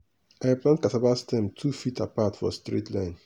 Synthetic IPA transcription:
aɪplãntkatabastɛ̃mtʰufitʰa̰patfɔ̰stɹḭtlãɪ̃n

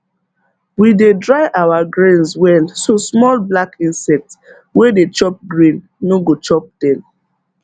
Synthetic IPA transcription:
widedɹaɪʔawaɡɹẽnswɛlsosmɔlblakĩnsɛk̚t | wedet͡ʃɔp̚ɡɹĩnː | oɡot͡ʃɔp̚d̥ɛ̃n

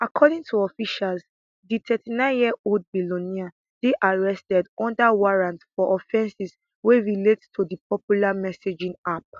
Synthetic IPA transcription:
akʰɔdĩŋtʰuɔfiʃals | ditʰɛtinãɪ̃njiɛold̚bilõnia | deʔaɹɛstɛdɔ̃ndawaɹãntfɔʔɔfɛ̃nsis | weɹilettʰudipʰɔpjulamɛsed͡ʒĩŋap̚

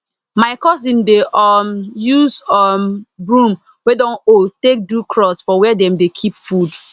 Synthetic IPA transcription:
maɪkɔsĩndeʔɔmjuzɔmbɹũm | wedɔ̃notek̚dukʰɹɔsfɔwɛdɛ̃mdekʰipfud

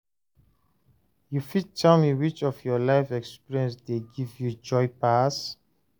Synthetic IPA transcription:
jufid̚tʰɛlmiwit͡ʃɔvjɔlaɪfɛkspiɹiɛ̃nsdeɡivjud͡ʒɔɪpas

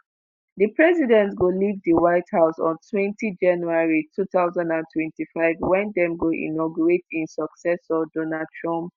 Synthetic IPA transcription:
dəpɹɛzidɛ̃ntɡolivdiwaɪthaʊsɔ̰̃ntʰwɛ̃ntʰid͡ʒãnjuaɹitʰuθaʊzãndãntʰwɛ̃ntifaɪvwɛ̃ndɛ̃mɡoʔḭnɔɡjɔɹetĩnsɔksɛsɔdonadtʰɹɔ̃mp

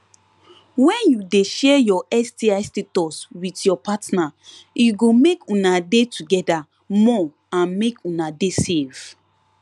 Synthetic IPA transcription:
wɛ̃njudeʃɛjɔɛstiastetɔswitjɔpatnajuɡomekũnadetʰuɡɛda | mɔ | ãnmekʰũnadesev̥

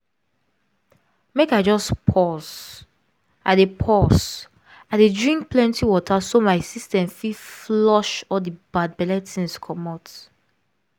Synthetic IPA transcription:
mekaɪd͡ʒɔspʰɔs | adepʰɔs | adedɹĩŋk̚plɛ̃ntiwɔtʰasomaɪsistɛ̃mfiflɔʃɔldibad̚bɛlɛtʰĩnskʰɔmɔt

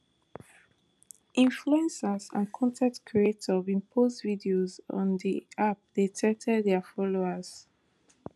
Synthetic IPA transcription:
ʔĩnfluɛ̃nsəzã̰nkʰɔ̃ntʰɛ̃k̚tkʰɹietʰɔvĩmpʰozvidiozɔ̰̃nðiʔap̚ð̥etʰɛtʰɛdðɛfɔloəz̥

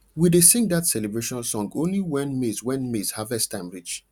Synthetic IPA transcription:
widesĩŋɡdatsɛlebɹeʃɔ̃nalsɔ̃ŋɡõnliwɛ̃nmezwɛ̃nmez̥havɛstãɪ̃mɹit͡ʃ

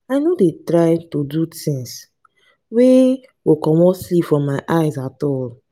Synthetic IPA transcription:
aɪnodetɾaɪtodutĩŋs | we | wokɔ̃mɔslipfɔ̃mːaɪʔaɪzatɔl

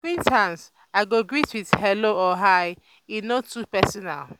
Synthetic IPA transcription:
kwĩntãns | aɪɡoɡɹitwiðhɛloɔɦaɪ | inotupɛsɔna̰l

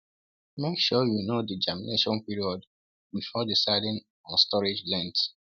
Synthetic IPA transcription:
mekʃɔjunodid͡ʒamḭneʃɔ̃npiɹiɔd | bifɔdisaɪdɪ̃ŋ | ɔ̃nstɔɹid͡ʒlɛ̃nt

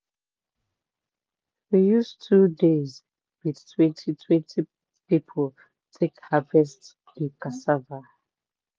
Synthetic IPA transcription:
wijustʰudez | widtʰwɛ̃ntʰitʰwɛ̃ntʰi | pipʰɔl | tʰekhavɛst | dikasava

